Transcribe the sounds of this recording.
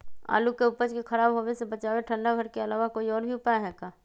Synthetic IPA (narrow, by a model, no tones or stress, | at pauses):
a̰ːlukeʊpəd͡ʒkekʰɐɾaːbɦoʋesebət͡ʃaːʋeʈʰə̃ɳɖaɡʱəɾkeɐlaːʋakoːiɔːɾbʱiʊpaːeɦɛkaː